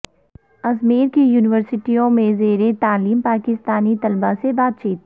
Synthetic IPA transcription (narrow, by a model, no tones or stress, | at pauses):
ɐzmeːɾkijuːnɪʋəɾsɪʈijõmẽzeːɾet̪aːliːmpaːkɪst̪aːnit̪ɐlbasebaːt̪̚t͡ʃiːt̪